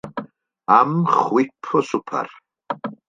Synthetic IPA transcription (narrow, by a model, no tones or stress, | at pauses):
amχwipʰːɔsupʰa̰r